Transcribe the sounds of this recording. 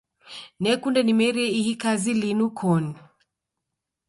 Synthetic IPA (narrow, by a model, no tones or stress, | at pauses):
nɛkundɛnimɛɾɛihikazilinukʰɔni